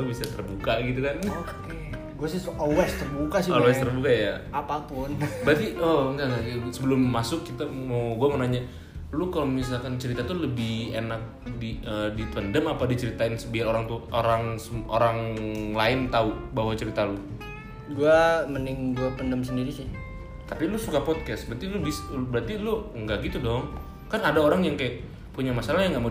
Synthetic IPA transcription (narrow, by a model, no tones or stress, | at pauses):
ubisat̪ərbukaɡit̪ukank | ɡuasɪhsʔɔwɛst̪ərbukasɪowɛst̪ərbukajaapapʊnbɾat̪iɔntaŋaɡisəbəlʊmːasʊkːit̪amawɡuamənaɲa | lukalomisalkant͡ʃəɾit̪at̪uləbɪhḛnak̚diədipəndəmapadit͡ʃəɾit̪aɪnsəbiaɾoɾaŋt̪uʔoɾaŋsəoɾaŋlaɪnt̪aubaɦwat͡ʃəɾit̪alʊ | ɡuamənɪŋɡuapəndəmsəndiɾisɪh | t̪apilʊsukapɔd̪̚kɛsbəɾt̪ilʊbisbəɾart̪ilʊəŋɡaʔɡit̪udɔŋ | kanadaoɾaŋjaŋkajaʔ | puɲamasalajaŋɡaʔma